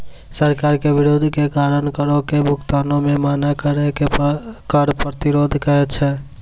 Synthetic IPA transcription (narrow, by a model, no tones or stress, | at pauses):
səɾkaːɾkeʋiɾod̪ʱkekaːɾənkəɾokebʱʊkt̪anõmẽmaːnakəɾɛkekəɾpɾət̪iɾod̪ʱkəɛt͡ʃʰɛ